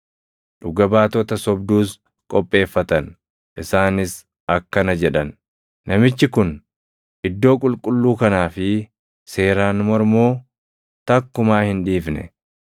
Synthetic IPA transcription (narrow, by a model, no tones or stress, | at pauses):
ᶑʊɡɐbaːt̪ɔt̪ɐsɔbd̪uːs | kʼɔpʼːe̞ːfːɐt̪ɐn | ʔɪsaːnɪs | ɐkːɐnɐd͡ʒɛᶑɐnː | ɐmɪt͡ʃːɪkʊn | ʔɪd̪ːo̞ːkʼʊlkʼʊlːuːkɐnaːfɪ | se̞ːɾaːnmɔɾmoː | t̪ɐkːʊmaːhɪnᶑiːfnɛ̰